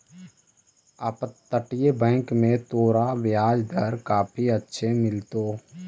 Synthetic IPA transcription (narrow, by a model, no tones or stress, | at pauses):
əpt̪ːəʈjebɛ̃ːkmẽt̪oːɾaʋɪjaːd͡ʒd̪ʱəɾkaːpʰiətːʃʰemɪlt̪oː